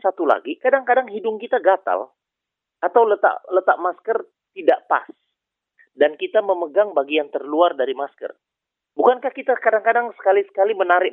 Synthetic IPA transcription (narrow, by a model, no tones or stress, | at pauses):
sat̪ula̰ɡikadaŋkadaŋɦidʊŋkit̪aɡat̪a̰l | at̪awlət̪a̰ʔlət̪aʔmaskər | t̪idaʔpa̰s | dankit̪aməməɡaŋbaɡiant̪ərluardaɾimaskə̰r | bukankahkit̪akadaŋkadaŋsə̥kalisə̥kalimənaɾɪʔ̚